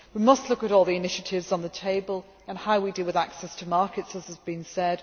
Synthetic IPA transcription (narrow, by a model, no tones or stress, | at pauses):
wimʌstlʊkəɾɔːlˠðiɪnɪʃətʰɪvzn̩ðətʰeɪbəlˠ | ə̃nhaʊwidiːlˠwɪðaksɛstʰəmɑˑkɪtsəzəzbĩnsɛd̥